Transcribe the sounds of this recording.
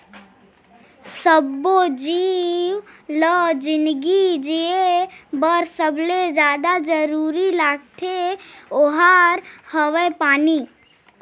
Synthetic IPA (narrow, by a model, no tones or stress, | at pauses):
səbod͡ʒiːwləd͡ʒɪnd̪ɡid͡ʒiebəɾsəbled͡ʒjaːd̪ad͡ʒəɾuːɾilaːɡ̚t̪ʰeoɦaɾhəʋepaːni